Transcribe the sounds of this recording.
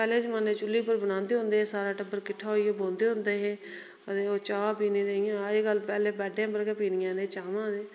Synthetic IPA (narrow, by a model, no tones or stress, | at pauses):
pɛːleːd͡ʒmənẽːt͡ʃʊlːiːpəɾbənãːnd̪eːɦʊ̃nd̪eːeːsaːɾaːʈəbəɾkɪʈʰːaːɦoiːeːbõːnd̪eːɦʊ̃nd̪eːɦeː | ət̪eːoːt͡ʃaːapiːnẽːd̪eːɪjãːeːɡəlpɛːleːbɛːɖjãːpəɾkeːpiːnɪjãːnẽːt͡ʃaːmãːd̪eː